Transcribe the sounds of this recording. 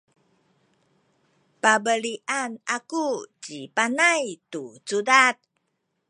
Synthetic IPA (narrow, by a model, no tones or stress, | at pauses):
pabəliʔanakut͡ɕipanajtut͡sudat̪̚